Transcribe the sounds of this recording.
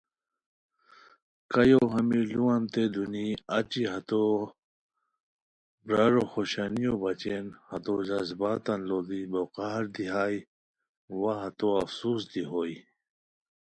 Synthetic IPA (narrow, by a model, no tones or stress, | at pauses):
kɐjoɦɐmiluɐnt̪ed̪uniɐt͡ɕiɦɐt̪o | bɾaɾoxoɕanijobɐt͡ɕenhɐt̪od͡ʑazbaːt̪ɐnloːd̪iboqaːɾd̪iɦaːi | waɦɐt̪oɐfsuːsd̪iɦoːi